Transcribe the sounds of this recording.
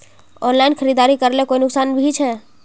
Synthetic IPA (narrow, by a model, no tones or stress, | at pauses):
ɔnlajnkʰəɾid̪aɾikəɾlɛkoinʊksanbʱit͡ʃʰɛ